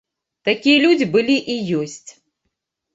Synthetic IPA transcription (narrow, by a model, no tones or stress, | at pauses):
t̪akʲijɐlʲud͡zʲibɨlʲiʔijɔsʲt͡sʲ